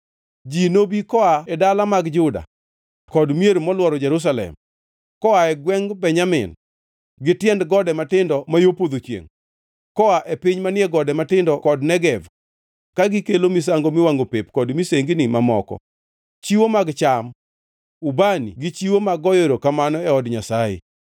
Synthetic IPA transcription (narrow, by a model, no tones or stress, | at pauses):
d͡ʒinobikɔaɛdalamaɡd͡ʒʊda̰ | kɔdmjeɾmɔlwɔɾɔd͡ʒɛɾus̬alɛ̰m | kɔaɛɡwɛŋbɛɲamɪ̰n | ɡɪtjɛndɡɔdɛmatɪndɔmajopod̪ot͡ʃjḛŋ | kɔaʔɛpɪɲmanɪɛɡɔdɛmatɪndɔkɔdnɛɡɛv | kaɡɪkelomis̬aŋɡomɪwaŋɡopepkɔdmiseŋɡnimamɔ̰kɔ̰ | t͡ʃiwomaɡt͡ʃam | ubanḭɡɪt͡ʃiwomaɡɔjeɾokamanɔɛɔdɲasajḛ